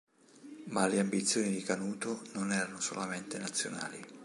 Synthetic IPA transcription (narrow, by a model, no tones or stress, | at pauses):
maleambit̪sːjoːnid̪ikanuːt̪ononɛːɾanoso̰lament̪enat̪sːjo̰na̰ːli